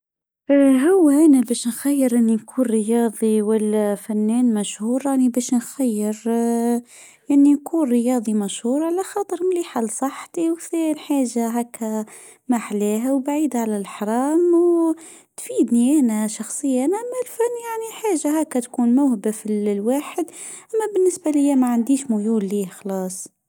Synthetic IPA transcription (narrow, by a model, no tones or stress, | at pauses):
ɦʊwːæʔænæbɛːʃnxæjːəɾʔɪnːinkʰuːnɾəjɑːd̪ˤiwælːæfænːɛːnmæʃhuːɾjaʕnibɛːʃnxæjːɪɾ | ʔɪnːinkʰuːnɾəjɑːd̪ˤimæʃhuːɾˤʕalæxɑːt̪ˤəɾmliːħalːsˤɑħt̪iwθɛnħaːʒaɦæːkːæ | maħlɛːɦawbaʕiːd̪aʕalælħɾˤɑːmw | t̪fiːd̪niʔænæʃɑxsˤəjːanæmːælfænːjaʕniħaːʒaɦæːkːæt̪kuːnmawhbafilwaːħəd̪ʔæmːæbɪnːɪsbalɪjːamæʕand̪iːʃmʊjuːlːiːxɑlɑːsˤ